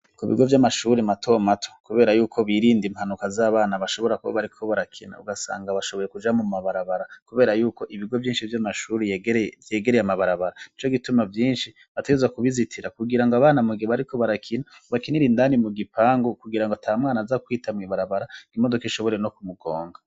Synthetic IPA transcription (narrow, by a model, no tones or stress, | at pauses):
kuβḭɡo̞vjamaʃuɾematʰo̞matʰo̥kuβe̞ːɾajuːkʰo̞βiɾiːndimhanukazaːβaːnaβaʃo̞βo̞ɾakuβa̰βaɾikʰo̞βaɾakʰina̰ṵɡasa̰ːŋɡaβaʃoβo̞je̞kud͡ʒamumaβaɾaβaɾakuβe̞ːɾajuːko̞ʔiβiɡo̞vjiːnʃivjamaʃuɾevje̞ːɡeɾejamaβaɾaβaɾait͡ʃo̞ɡitumavjiːnʃi | βateɡezwakuβizitʰiɾakuɡiɾaŋɡoaβaːnamuɡieβaɾiko̞βaɾakʰinaβakiniɾindanimuɡipʰaːŋɡokuɡiɾaŋɡotʰamŋaːnazakwiːtʰamŋiβaɾaβaɾaimodokiʃo̞βo̞ɾe̞no̞kumuɡo̞ːŋɡa